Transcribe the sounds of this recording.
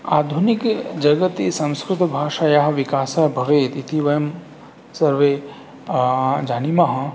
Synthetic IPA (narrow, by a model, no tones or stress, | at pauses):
aːd̪ʱunikd͡ʒɐɡət̪esɐ̃nskɾut̪bʱaːʃajaɦʋikaːsɐɦbʱɐʋeːt̪it̪ʰiʋɐjɐm | sɐɾʋeː | d͡ʒaːnimaɦɐ